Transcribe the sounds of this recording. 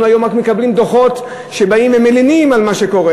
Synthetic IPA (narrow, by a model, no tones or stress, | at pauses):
ajo̞mʁakme̞kablimd̪o̞χo̞t | ʃe̞baimvemelinimalmaʃe̞ko̞ʁe